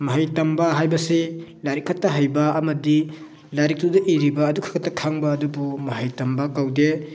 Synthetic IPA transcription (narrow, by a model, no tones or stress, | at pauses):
mɐɦajtɐmbɐɦajbɐsilaɾikʰːatːɐɦajbɐɐmɐdi | laɾik̚tudɐʔiɾibɐːdukʰḁkʰatːɐkʰaŋbɐːdubumɐɦajtɐmbɐkawde